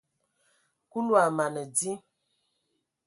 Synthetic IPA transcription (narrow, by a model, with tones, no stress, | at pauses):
ku˦lwa˨ma˨nə˨d͡zi˦